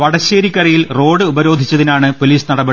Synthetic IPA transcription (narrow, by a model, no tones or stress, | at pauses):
ʋɐɽɐɕeːɾikʲːɐrɐjilro̞ːɽɨubɐɾo̞ːd̪ʱit͡ɕːɐðinaːɳɨpo̞liːsnɐɽɐbe